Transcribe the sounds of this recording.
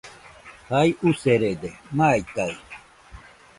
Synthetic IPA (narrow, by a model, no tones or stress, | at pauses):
hajʔuseɾed̪emajt̪aj